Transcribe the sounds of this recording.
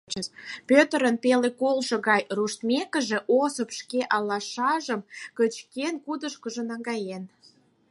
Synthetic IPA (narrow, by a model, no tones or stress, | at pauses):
pøt̪əɾənpelekolʃɤ̆ɣɑjruʃt̪mʲekə̆ʒĕʔosəpʃkeʔɑlːɑʃɑʒəmkət͡ɕkenkud̪əʃkə̆ʒə̆nɑŋɡɑjen